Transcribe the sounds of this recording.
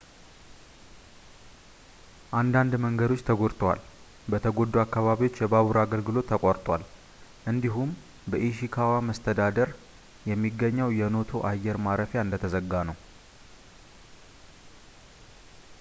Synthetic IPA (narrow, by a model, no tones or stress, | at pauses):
ʔand̪and̪məŋɡəd̪o̞t͡ʃːt̪ʰəɡo̞ɾt̪ʼʰəwa̰l | bət̪ʰəɡo̞d̪ːuakːaβaβiwo̞t͡ʃːjɛbaβuɾaɡəlɡɨlo̞t̪ʰːəkʼoɾt̪ʼwal | ʔɨnd̪iɦum | bəʔiʃikʰawaməst̪ʰəd̪ad̪əɾ | jɛmːiɡːəɲːəwjɛno̞t̪ʰo̞ʔajːɛɾmaɾəfjaɨnd̪ət̪ʰəzəɡːanəw